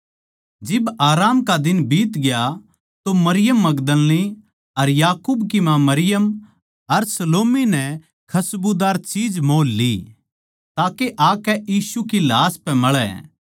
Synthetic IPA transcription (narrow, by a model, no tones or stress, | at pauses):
d͡ʒɪbaːɾaːmkad̪ɪnbiːt̪ɡɪja | t̪omɐɾɪjəmːɐɡd̪əlːi | ɐɾjaːkuːbkimãmɐɾɪjəm | ɐɾsɐloːminɛ | kʰɐsbud̪aːɾt͡ʃiːd͡ʒmoːlːḭ | t̪aːkeʔaːkɛʔiːsukilaːspɛ̃mɐɭɛ̰